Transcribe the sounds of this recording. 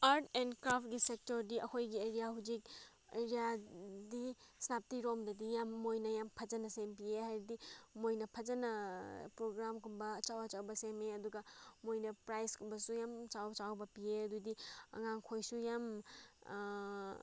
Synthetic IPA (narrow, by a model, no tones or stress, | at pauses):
aɾtʰenkɾapʰt̚ɡisek̚toɾdiʔɐkʰojɡieɾijahud͡ʒik̚ | ḛɾijadisnap̚tiɾomdɐdijamːojnɐjampʰɐd͡ʒɐnɐsempiehajɾidimojnɐpʰɐzɐnɐpɾoɡɾamkʰunbɐːt͡ʃawɐt͡ʃawbɐsemeɐduɡamojnɐpɾajskʰunbɐsujamt͡ʃawt͡ʃawbɐpieɐdudiɐ̰ŋaŋkʰojsujam